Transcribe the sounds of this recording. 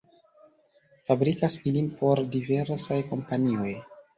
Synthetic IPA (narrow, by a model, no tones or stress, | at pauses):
fabɾikasilimpʰo̞ɾdive̞ɾsajko̞mpanio̞j